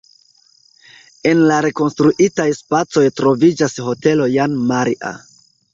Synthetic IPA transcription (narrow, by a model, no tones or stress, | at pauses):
e̞nlaɾe̞ko̞nstɾuʔitajspat͡so̞jtɾo̞vid͡ʒasɦo̞te̞lo̞janmaɾiʔa̰